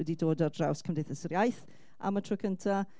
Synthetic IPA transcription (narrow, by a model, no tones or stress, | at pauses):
ɛdidoːdɔrdrawskʰəmndejθəsərjajθ | a̰mətʰrʊːkʰəntʰa